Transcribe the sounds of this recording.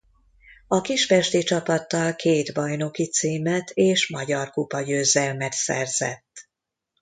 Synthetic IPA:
ɒkiʃfɛʃt̪it͡ʃɒpɒt̪ːɒlkʰeːd̪bɒjno̞kit̪siːmɛt̪ʰeːʃmɒɟɒrkupɒjøːzɛlmɛt̪sɛ̰rzɛ̰t̪ː

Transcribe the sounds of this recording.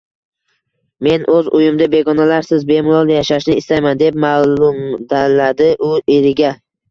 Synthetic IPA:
me̞nʔɵzʊjɪmd̪abe̞ɡɒnalaɾsɪzbe̞mɪlˠɒlˠjaʃaʃnɪɪst̪ajmand̪e̞p̚malʊmd̪alad̪ɪʔʊʔeɾɪɡʲa

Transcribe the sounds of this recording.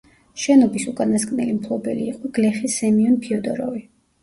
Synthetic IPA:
ʃɛnɔbisukʼanaskʼnɛlimpʰlˠɔbɛliːqʼɔɡ̥lɛχisɛmiɔnpʰiɔd̪ɔɾɔvi

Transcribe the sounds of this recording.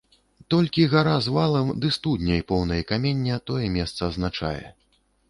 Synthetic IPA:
t̪ɔlʲkʲiɣaɾazvalˠɐmd̪ɨst̪ud̪ʲnʲɐjpɔwnɐjɐkamʲenʲːɐt̪ɔjɛmʲɛst̪sɐːznat͡ʂa̰jɛ̰

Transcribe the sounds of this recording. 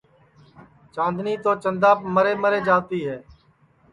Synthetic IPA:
t͡ʃãːnd̪niːt̪oːt͡ʃənd̪aːpməɾeːməɾeːd͡ʒaːt̪iːɦɛː

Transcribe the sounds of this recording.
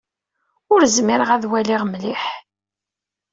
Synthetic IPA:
ʊɾzmɪɾəʁæðwæliʁmliħ

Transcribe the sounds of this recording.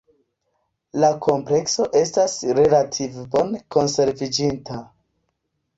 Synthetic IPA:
lakʰo̞mple̞kso̞ʔe̞stasɾe̞latʰivbo̞nko̞nse̞ɾvid͡ʒinta

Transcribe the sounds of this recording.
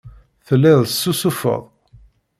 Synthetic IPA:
θəlːɪðˤsːusufə̰ðˤ

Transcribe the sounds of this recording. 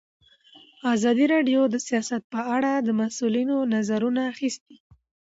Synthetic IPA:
ɑzɑd̪iɾɑɖjod̪əsijɑsat̪̚pəaɽad̪əmasulinonazaɾunaːxist̪i̥

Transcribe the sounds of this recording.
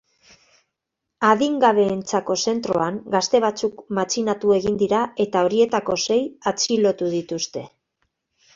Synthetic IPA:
aðiŋɡaβ̞e̞ːnt͡sako̞se̞nt̪ɾo̞̰aŋɡast̪e̞β̞at͡sukmat͡sinat̪ue̞ɣind̪iɾae̞t̪ao̞ɾie̞t̪ako̞se̞jat͡silo̞t̪uðit̪ust̪e̞

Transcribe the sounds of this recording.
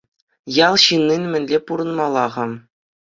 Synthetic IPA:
jɑlˠɕinːinmʲɘ̆nʲlʲepuɾɤ̆nmɑlˠːɑʁɑm

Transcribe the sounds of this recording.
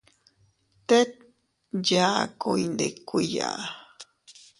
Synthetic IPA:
t̪et̪̚ | jaːkujnd̪ekija̰

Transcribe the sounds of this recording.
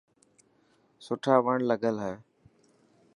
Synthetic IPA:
sʊʈʰaːʋəɳləɡəlɦɛː

